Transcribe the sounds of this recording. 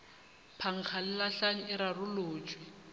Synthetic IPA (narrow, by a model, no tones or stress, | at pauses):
pʰaŋ̩χʰalɪlaɬaŋ̩ɪɾarʊloːt͡ʃʼwɪ